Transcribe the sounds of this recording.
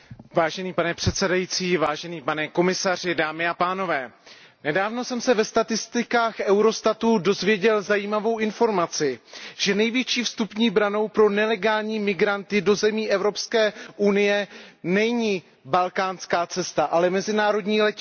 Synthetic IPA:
vaːʒɛniːpanɛpr̥ɛt̪sɛdajit͡siːvaːʒɛniːpanɛko̞mɪsar̝ɪdaːmɪapaːno̞vɛː | nɛdaːvno̞sɛmsɛvɛst̪at̪ɪst̪ɪkaːxʔɛwɾo̞st̪at̪udo̞zvjɛɟɛlzajiːmavo̞wʔɪnfo̞ɾmat͡sɪʒ̥ɛnɛjvjɛt͡ʃiːfst̪upɲiːbɾano̞wpɾo̞nɛlɛɡaːlɲiːmɪɡɾant̪ɪdo̞zɛmiːʔɛvɾo̞pskɛːʔunɪjɛnɛɲiː | balkaːnskaːt͡sɛst̪aʔalɛmɛzɪnaːɾo̞dɲiːlɛc

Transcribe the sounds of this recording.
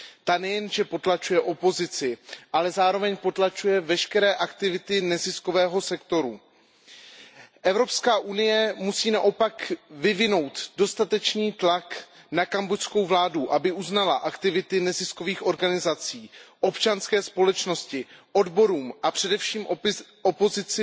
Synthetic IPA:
t̪anɛjɛnʒɛpo̞t̪lat͡ʃujɛʔo̞po̞zɪt͡sɪʔalɛzaːɾo̞vɛɲpo̞t̪lat͡ʃujɛvɛʃkɛɾɛːʔakt̪ɪvɪt̪ɪnɛzɪsko̞vɛːɦo̞sɛkt̪o̞ɾu | ʔɛvɾo̞pskaːʔunɪjɛmusiːnaʔo̞pakvɪvɪno̞wt̪do̞st̪at̪ɛt͡ʃniːt̪laknakambocsko̞wvlaːduʔabɪʔuznalaʔakt̪ɪvɪt̪ɪnɛzɪsko̞viːxʔo̞ɾɡanɪzat͡siːʔo̞pt͡ʃanskɛːspo̞lɛt͡ʃno̞scɪʔo̞dbo̞ɾuːmʔapr̥ɛdɛfʃiːmʔopozɪt͡sɪ

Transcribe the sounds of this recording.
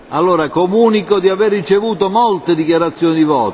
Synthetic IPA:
alːoːɾakomuːnikod̪iaverːit͡ʃevuːt̪omolt̪ed̪ikjaɾat̪sːjoːnid̪ivɔːt̪

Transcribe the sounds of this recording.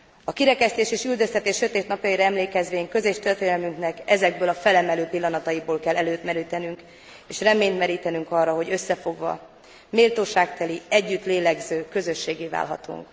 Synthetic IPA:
ɒkiɾɛkɛst̪eːʃeːʃyld̪ø̞st̪ɛt̪eːʃːøt̪eːt̪nɒpjɒjiɾɒɛmleːkɛzʋeːɲkø̞zeːʃt̪ørt̪eːnɛlmyŋknɛkɛzɛɡ̚bøːlɒfɛlɛmɛløːpilːɒnɒt̪ɒjiboːlkɛlːɛløːt̪mɛɾiːt̪ɛnyŋk | eːʃrɛmeːnt̪mɛɾiːt̪ɛnyŋkɒrːɒɦo̞ɟø̞sːɛfo̞ɡʋɒ̰ | meːlt̪oːʃaːk̚t̪ɛliɛɟːyt̪leːlɛɡzøːkø̞zø̞ʃːeːɡeːva̰ːlɦɒ̰t̪ṵŋk

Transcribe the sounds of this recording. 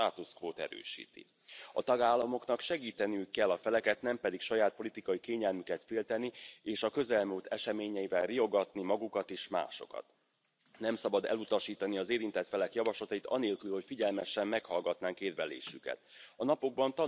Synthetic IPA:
aːt̪uskvoːt̪ɛ̰ɾø̰ːʃḭːt̪ḭ | ɒ̰t̪ɒɡaːlːɒmo̞knɒkʃɛɡiːt̪ɛniykːɛlːɒfɛlɛkɛt̪nɛmpɛd̪ikʃɒjaːt̪̚po̞lit̪ikɒjikeːɲɛlmykɛt̪feːlt̪ɛnieːʃɒkø̞zɛlmult̪ɛʃɛmeːɲɛjivɛlrio̞ɡɒt̪nimɒɡukɒt̪eːʃma̰ːʃo̞̰kɒ̰t̪ | nɛmsɒbɒd̪ɛ̰lut̪ɒʃiːt̪ɒniɒzeːɾint̪ɛt̪fɛlɛkjɒvɒʃlɒt̪ɒjit̪ɒ̰neːlkylho̞cfiɟɛlmɛʃɛmːɛkhɒlɡɒt̪naːŋkeːrvɛlḛːʃykɛ̰t̪ɒnɒpo̞ɡ̚bɒnt̪ɒ

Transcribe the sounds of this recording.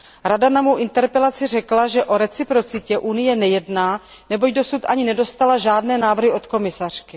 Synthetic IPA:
ɾadanamowʔɪnt̪ɛɾpɛlat͡sɪrɛklaʒɛʔo̞ɾɛt͡sɪpɾo̞t͡sɪcɛʔunɪjɛnɛjɛdnaː | nɛbo̞ɟdo̞sut̪ʔaɲɪnɛdo̞st̪alaʒaːdnɛːnaːvr̩ɦɪʔo̞t̪ko̞mɪsar̝̥kɪ

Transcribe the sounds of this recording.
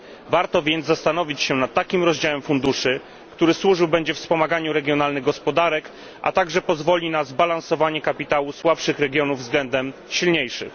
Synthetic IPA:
vaɾt̪ɔvʲjɛnd̪ast̪anɔvʲit͡ɕɕɛnat̪ːakʲimɾɔʑd͡ʑawɛmfund̪uʂɘ | kt̪uɾɘswuʐɘwbɛɲd͡ʑɛfspɔmaɡaɲuɾɛɡʲjɔnalnɘɣɡɔspɔd̪aɾɛk | ʔa̰t̪aɡʐɛpɔzvɔlʲinazbalansɔvaɲɛkapʲit̪awuswapʂɘxɾɛɡʲjɔnuvːzɡlɛnd̪ɛmɕilɲejʂɘ̰x

